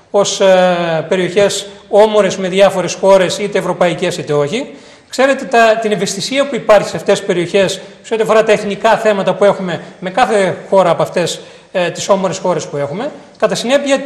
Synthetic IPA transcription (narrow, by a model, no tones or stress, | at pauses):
o̞spe̞ɾioçe̞so̞mo̞ɾe̞zme̞ðʝɐfo̞ɾe̞sxo̞ɾe̞sit̪e̞ːvɾo̞pɐice̞sit̪e̞o̞çi | kse̞ɾe̞t̪e̞t̪ɐt̪ineve̞st̪isiɐpuipɐɾçi̥seɐft̪e̞spe̞ɾio̞çe̞sseo̞t̪iɐfo̞ɾɐt̪ɐeθnikɐθe̞mɐt̪ɐpue̞xume̞me̞kɐθe̞xo̞ɾɐːpɐft̪e̞s | t̪iso̞moɾesxo̞ɾe̞spue̞xume̞ | kɐt̪ɐsine̞piɐ